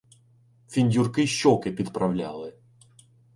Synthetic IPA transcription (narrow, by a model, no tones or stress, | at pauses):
fʲinʲdʲurkɪʃɔkɪpʲid̪pɾʔɐwlʲa̰lˠɪ